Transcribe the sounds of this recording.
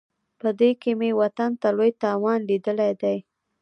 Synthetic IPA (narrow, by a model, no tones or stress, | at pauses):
pəd̪ekemewat̪ant̪alojt̪ɑwɑnlid̪əlajd̪aj